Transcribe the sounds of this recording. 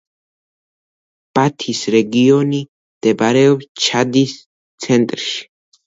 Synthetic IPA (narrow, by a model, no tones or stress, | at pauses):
b̥at̪ʰisɾɛɡiɔni | md̪̥ɛbaɾɛɔpst͡ʃʰad̪is | t̪sʰɛnt̪ʼɾʃi̥